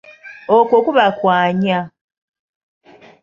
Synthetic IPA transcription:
okwokuβakwaːɲa

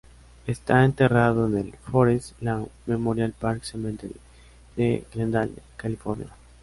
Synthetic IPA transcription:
est̪aent̪eraðoenelfoɾeslamemoɾjalpaɾksement̪el | d̪̥eɡlend̪alkalifoɾnja̰

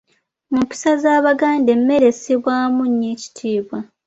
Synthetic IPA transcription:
mumpi̥sazaːβaɡaːnde̞mːe̞ɾe̞seβwaːmuɲːeːci̥tʰiːβwa

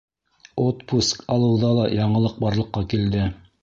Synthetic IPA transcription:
ot̪puskɑlˠɤ̆wðɑlˠɑjɑɴɤ̆lˠɤq̚bɑɾlˠɤ̆qːɑkild̪ɘ

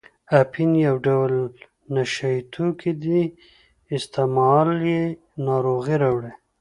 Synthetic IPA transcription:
apʰinjawɖawl | naʃait̪ʰukid̪i | ɪst̪ɪmɑlje | nɑɾoɣiɾawɽe

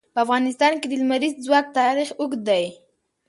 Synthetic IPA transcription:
pəafɣɑnɪst̪ɑnked̪əlmaɾizzwɑk̚t̪ɑɾixʊɡd̪aj

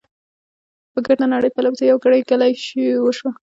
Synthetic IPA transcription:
pəɡaɽnanaɽəjpalawt̪ajawɡəɽajkalajʃiwəʃwa

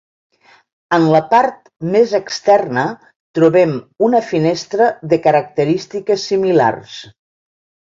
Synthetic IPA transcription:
ənləpaɾt̪̚ | mezəkst̪ɛrnə | t̪ɾuβɛmunəfinest̪ɾəðəkəɾək̚t̪əɾist̪ikəsːimila̰rs

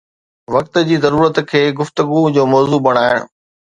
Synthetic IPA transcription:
ʋɐk̚t̪ə̆d͡ʑiːzɐɾuːɾət̪kʰeːɡʊft̪əɡud͡ʑoːmɔːzuːbɐɽ̤̃aːɪɽ̰̃

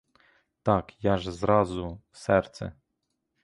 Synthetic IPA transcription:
t̪ɑkjɑʒzɾɑzʊ | sɛrt̪sɛ̰

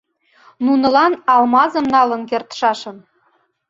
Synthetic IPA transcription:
nunɤ̆lɑnɑlmɑzɤ̆mnɑlɤ̆nkert̪ʃɑʃɤ̆n

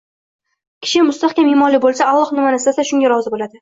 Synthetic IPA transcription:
kʲʰɪ̥ʃɪmʊst̪aχkʲamɪmɒlibolˠsaalˠɒχnɪmanɪsasaʃʊŋɡʲaɾɒzɪbolad̪ɪ

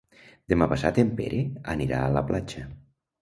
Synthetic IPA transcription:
d̪emapasat̪empḛɾʔea̰niɾa̰ːlaplʔat͡ʃə

